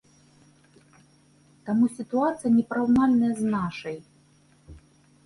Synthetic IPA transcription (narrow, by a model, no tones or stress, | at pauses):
t̪amusʲit̪uat̪sɨjɐnʲɛpɾawnalʲnɐjɐznaʂɐj